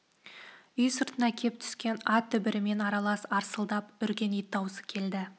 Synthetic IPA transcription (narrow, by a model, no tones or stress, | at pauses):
ʏjsəɾt̪ənɑkʲʰe̞p̚t̪ʰʏ̥skʲe̞nɑt̪ʰʏbɪɾɪme̞nɑɾɑlˠɑsɑɾsəlˠd̪ɑpʏɾkʲe̞nijt̪ːɑwsə̥kʲʰe̞ld̪ɪ